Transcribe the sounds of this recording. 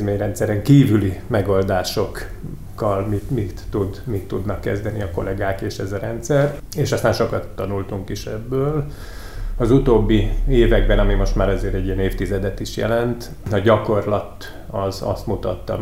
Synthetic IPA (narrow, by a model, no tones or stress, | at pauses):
meːɲrɛnt̪sɛɾɛŋkiːvylimɛɡold̪aːʃo̞kkːɒlmit̪mit̪ːud̪mit̪ːud̪nɒkːɛ̰zd̪ɛniɒko̞̰lɛɡaːkeːʃɛzɒɾɛnt̪sɛr | eːʃɒst̪aːnʃo̞kɒt̪ːɒnult̪uŋkiʃɛ̰bːøːl | ɒzut̪oːbːieːvɛɡ̚bɛnɒmimo̞ʃt̪maːɾɒzeːɾɛɟːijɛneːft̪izɛd̪ɛt̪iʃjɛ̰lɛnt̪ | ɒɟɒko̞rlɒt̪ | ɒzɒ̰st̪mut̪ɒ̰t̪ːɒ̰